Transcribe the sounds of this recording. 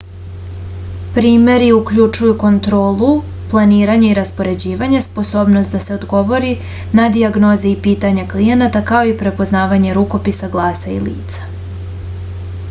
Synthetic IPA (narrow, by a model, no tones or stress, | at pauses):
pɾiːme̞ɾiukʎut͡ʃujuko̞nt̪ɾo̞ːlˠu | plˠaniːɾaɲeiɾaspo̞ɾe̞d͡ʑiːʋaɲespo̞so̞ːbnost̪d̪ase̞o̞d̪ɡo̞ʋo̞ɾi | nad̪iaɡno̞zeipiːt̪aɲaklije̞nat̪akao̞ipɾe̞po̞znaːʋaɲe̞ɾuko̞pisaɡlˠaːsaḭlḭːt̪sḁ